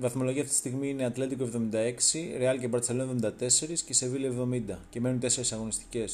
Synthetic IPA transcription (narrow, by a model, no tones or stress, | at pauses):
vɐθmo̞lo̞ʝiɐft̪it̪i̥st̪iɣmiine̞ɐt̪le̞t̪ikoe̞vðo̞mind̪ɐe̞ksiɾeɐlcebɐɾt̪selonevðo̞mind̪ɐt̪e̞se̞ɾisce̞sevilievðo̞mind̪ɐce̞me̞nunt̪e̞se̞ɾesɐɣo̞nist̪i̥ce̞s